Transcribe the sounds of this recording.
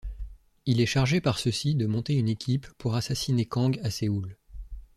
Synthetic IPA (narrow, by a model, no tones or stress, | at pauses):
ilɛʃaʁʒepaʁsəsid̪əmɔ̃t̪eynekʲʰipːuʁasasinekɑ̃ɡaseul